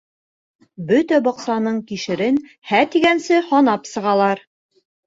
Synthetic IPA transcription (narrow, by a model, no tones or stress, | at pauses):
bɵt̪æbɒqsɑnɤɴkiʃɘ̆ɾɘn | hæt̪iɡænsɘhɒnɑpsɤ̆ʁɑlˠɑɾ